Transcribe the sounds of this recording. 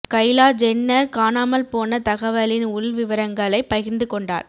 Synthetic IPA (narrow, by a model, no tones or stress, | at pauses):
kɐɪlaːd͡ʒɛnːɐɾkaːnaːmɐlpoːnɐt̪ɐɣɐʋɐlɪnʊɭʋɪʋɐɾɐŋɡɐɭɐɪpːɐɣɪɾnd̪ɯkɔɳɖa̰ːɾ